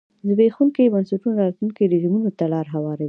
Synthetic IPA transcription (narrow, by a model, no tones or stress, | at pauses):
zbexuŋkebansuʈunɾɑt̪luŋked̪əd͡ʒumunot̪alɑɾɦawɑɾawi